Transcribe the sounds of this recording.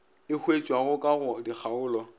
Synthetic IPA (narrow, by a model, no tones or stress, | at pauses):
ɪhʰwet͡ʃʼwaɣʊkʼaɣʊdik͡xʰaʊːlɔ